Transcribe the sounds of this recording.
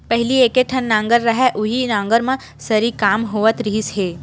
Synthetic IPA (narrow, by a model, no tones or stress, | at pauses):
pɛɦɪlieːkeʈʰənːãːŋɡəɾːɐɦɛʔʊɦinãːŋɡəɾmẽ | sɐɾikaːmɦoːʋət̪ɾiːsɦeː